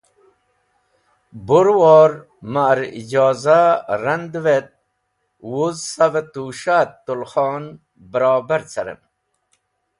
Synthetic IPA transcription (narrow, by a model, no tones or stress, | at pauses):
buɾwoːɾ | maɾḭd͡ʑaːzaɾɐnd̪wet̪̚ | wuzsɐvet̪uːʃaːt̪ːulχɑːn | bəɾɑːbɐɾt͡sʰɐɾə̰n